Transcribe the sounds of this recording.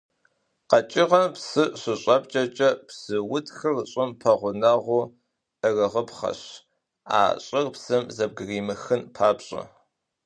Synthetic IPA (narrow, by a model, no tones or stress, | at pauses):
qɐt͡ʃʼɪʁɐpsɨɕɨɕʼɐp̚ʼt͡ʃʼɐt͡ʃʼɐpsɨwʊtʰxɨrɕʼɪmpʰɐʁʷʊnɐʁʷʊ | ʔɨrɨʁəpχɐ̰ɕ | a̰ːɕʼɪrpsɨmzɐb̚ɡɨriːmɨxɨnpʰaːpɕʼɐ̰